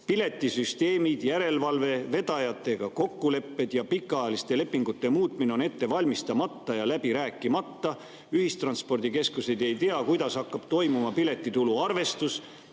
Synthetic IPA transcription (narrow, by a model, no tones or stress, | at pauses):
pile̞t̪ːˑisyst̪e̞ːmid̪̥jæɾe̞lvɑlve̞ve̞d̪̥ɑjɑt̪ːˑe̞ɡ̥ɑko̞kːule̞pːe̞d̪̥jɑpikːˑɑjɑlist̪e̞le̞pːiŋɡ̥ut̪ːe̞muːt̪ˑmine̞o̞ne̞t̪ːe̞vɑlʲmist̪ɑmɑt̪ːɑjɑlæb̥iɾæːkːˑimɑt̪ːɑ | yɦist̪rɑnspo̞rd̪̥ike̞skuse̞jd̪e̞jt̪eɑkujd̪̥ɑshɑkːɑb̥̚t̪o̞jmumɑpile̞t̪ːˑit̪uluɑrve̞st̪us